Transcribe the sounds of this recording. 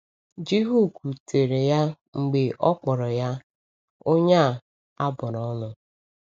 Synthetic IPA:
d͡ʒi˦ɦu˦˨ku˨tʰe˨ɾe˨ja˦ | ŋ͡m̩˨ɡ͡be˨ʔɔ˦k͡pɔ˨ɾɔ˨ja˦ | o˦ɲa˦˨ | a˦bʊ˨ɾɔ˦lʊ˦

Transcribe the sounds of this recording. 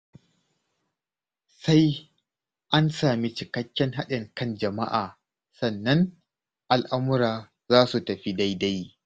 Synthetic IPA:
sa˦j | ʔa˦nsaː˨mi˦t͡ʃɪ˨kɐ˦kʲːɛ˦ŋɦa˦ɗɪ˨ŋkɐ˦nd͡ʒɐ˨ma̰˦ʔaː˨ | sɐ˨nːɐ˦ŋ | ʔa˨lʔa˦mʊ˦ɾaː˨ | zaː˦su˨tɐ˨ɸi˦da˦jda˦j

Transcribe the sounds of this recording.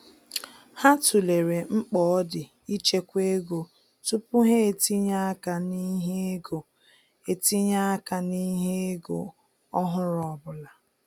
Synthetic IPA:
ha˦tu˨le˨ɾe˨ŋ͡m̩˦k͡pɔ˦ɔ˦dɪ˨ | i˦t͡ʃe˦kʷe˦ɡo˨ | tu˦pʊ˦ɦe˦e˨ti˦ɲa˦ka˨ni˦ɦe˦ɡo˨ | e˨ti˦ɲa˦ka˨ni˦ɦe˦e˦ɡo̰˨ | ɔ˦ɦʊ˦ɾɔ˨ɔ˨bʊ˨la˨

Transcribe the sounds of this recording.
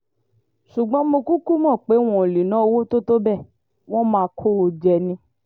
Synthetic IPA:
ʃu˨ɡ͡bɔ̃˨˦mõ˧ku˦ku˦mɔ̃˦˨k͡pe˨˦w̃ɔ̃˨li˨nã˨˦o˧wo˦to˦to˦bɛ˦˨ | w̃ɔ̃˦mãː˦˧kʰo˦o˨d͡ʒɛ˨nĩ˧

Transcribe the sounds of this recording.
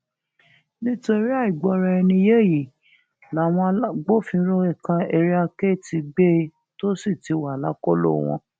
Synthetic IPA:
nĩ˦to˧ɾi˦a˦˨i˨ɡ͡bɔ˧˦ɾa˧ɛ˧nĩ˧je˦˨ji˨ | la˨˦˨w̃ɔ̃˧a˦ɡ͡bo˦fĩ˧˦ɾo˦ɛ˦˨kã˧ɛ˧ɾi˦a˧ke˦˨ti˧ɡ͡be˦ | to˦si˦˨ti˨˧˦wa˨la˦kɔ˦lo̰˦˨w̃ɔ̰̃˧

